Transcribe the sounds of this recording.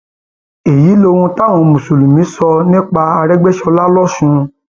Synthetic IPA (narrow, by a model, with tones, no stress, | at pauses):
e˨ji˨˦lo˧w̃ũ˧ta˦˨w̃ɔ̃˨˧mũ˨su˨lũ˨mĩ˨˦sɔ˧nĩ˦k͡pa˧a˧ɾɛ˦ɡ͡bɛ˦ʃɔ˧la˦lɔ˦ʃũ˧